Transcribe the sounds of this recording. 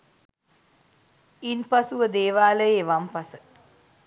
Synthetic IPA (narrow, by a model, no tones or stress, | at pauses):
inpɐsuʋəd̪eːʋaːlɐjeʋɐmpɐsə